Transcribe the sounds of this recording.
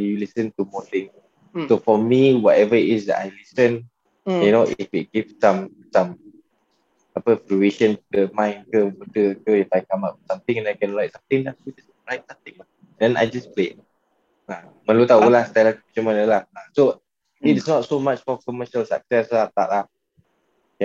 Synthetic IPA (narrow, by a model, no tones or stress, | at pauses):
julisə̃nt̪umɔt̪ɪ̃ŋ | sofɔmiwɔtɛvəiʔɪsdɛ̰ta̰jlisə̃n | junoʔɪfit̚ɡ̥ivsãm | sãm | apəfɾueʃə̃npudəmãɪ̃nkəputəkəjutajkamap̚sãmt̪ɪ̃ŋɛ̃najkɛ̃nlajk̚sãmt̪ɪ̃ŋlaud͡ʒas | lajk̚sat̪ɪ̃ŋla | dɛ̃na̰jd͡ʒasplet | a | mə̃nlut̪aulahst̪ajlakupit͡ʃəmãnəlahaso | ɪtsnɔtsomat͡ʃfɔkɔməʃəlsa̰k̚sɛslat̪a̰ʔlah | ja